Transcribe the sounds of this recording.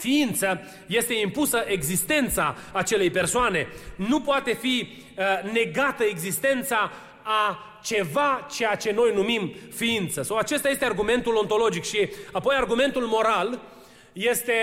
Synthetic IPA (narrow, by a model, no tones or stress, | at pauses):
fiint̪sə | je̞st̪e̞impusəʔe̞ɡzist̪e̞nt̪saːt͡ʃe̞le̞jpe̞rsoane̞nupoat̪e̞fi | ne̞ɡat̪əe̞ɡzist̪e̞nt̪saː | t͡ʃe̞vat͡ʃe̞jat͡ʃe̞no̞jnumimfiint̪səsawat͡ʃest̪aje̞st̪earɡume̞nt̪ulo̞nt̪o̞lo̞d͡ʒikʃiapo̞jarɡume̞nt̪ulmo̞ɾal | je̞st̪e̞